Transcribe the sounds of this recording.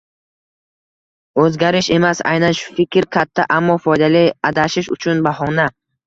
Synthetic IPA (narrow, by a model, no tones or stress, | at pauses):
ɵzɡʲaɾiʃe̞masa̰jnanʃu̥fikʲʰɾkʰat̪ʰːaʔamːɔfɔjd̪aliad̪aʃiʃʊ̰t͡ʃʰunbahɔna